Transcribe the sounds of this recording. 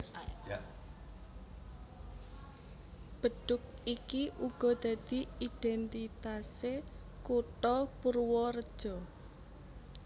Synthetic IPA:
b̥ə̤ɖ̪̥ʊk̚ikiʔuɡ̥ɔ̤d̪̥ä̤d̪̥i̤iɖ̪̥ɛnt̪it̪ase | kut̪ɔpurwɔrəd̥ʒ̥ɔ

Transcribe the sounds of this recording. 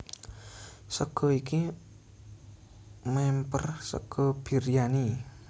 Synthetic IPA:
səɡ̥ɔiki | mɛmpə̰rsɔ̰ɡ̥ʰɔb̥iɾijani

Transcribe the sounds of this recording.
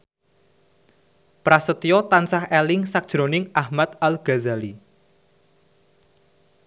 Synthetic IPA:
pɾasət̪ijɔt̪ansahelɪŋsak̚d̥ʒ̥ɾonɪŋahmat̪̚alɡ̥a̤zali

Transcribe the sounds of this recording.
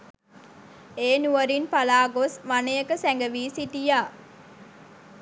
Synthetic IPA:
eːnuʋəɾinpalaːɡosʋanəjəkəsɛŋɡəʋiːsiʈijaː

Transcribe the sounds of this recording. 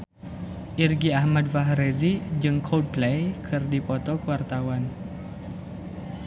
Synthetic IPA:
ʔirɡiahmadfaɦɾezid͡ʒɨŋkʰɔd̚plejkʰɨrdipɔt̪ɔkəwart̪awan

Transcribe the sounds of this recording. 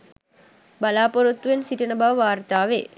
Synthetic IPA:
balaːpoɾut̪ːuensiʈənəbaʋʋaːrt̪aːʋeː

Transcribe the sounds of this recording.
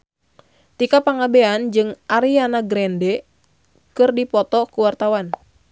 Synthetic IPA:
t̪ikapaŋabeand͡ʒɨŋʔaɾianaɡɾɛndɛ | kɨrdipɔt̪ɔkuwart̪awan

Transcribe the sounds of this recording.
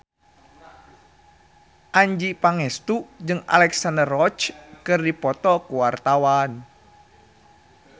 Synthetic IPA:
ʔaɲd͡ʒipaŋɛst̪ud͡ʒɨŋa̰lɛksandərɔt͡ʃkɨrdipɔt̪ɔkuwart̪awan

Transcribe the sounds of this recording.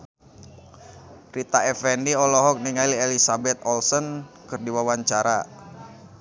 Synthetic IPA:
rit̪aɛfɛniɔlɔɦɔk̚niŋailɛlisabɛt̪̚ɔlsɔnkɨrdiwawaɲt͡ʃaɾa̰

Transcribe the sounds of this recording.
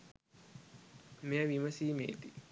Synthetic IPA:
meaʋiməsiːmḛːt̪i

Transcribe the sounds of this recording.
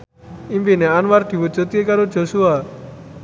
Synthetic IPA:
impineanward̪̥i̤wud͡ʒət̪iekaɾo̥d͡ʒ̥ɔ̤sua

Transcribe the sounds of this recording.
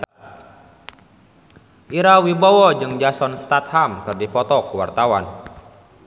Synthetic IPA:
ʔiɾawibawɔd͡ʒɨŋd͡ʒasɔnst̪at̪̚hamkɨrdipɔt̪ɔkuwa̰rt̪awan

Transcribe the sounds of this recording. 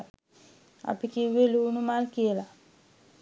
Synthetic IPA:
a̰pikiwelunumalkiela

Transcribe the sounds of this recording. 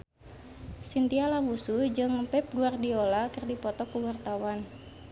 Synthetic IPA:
sint̪ialamusud͡ʒɨŋpɛp̚ɡuardiolakɨrdipɔt̪ɔkuwart̪awan

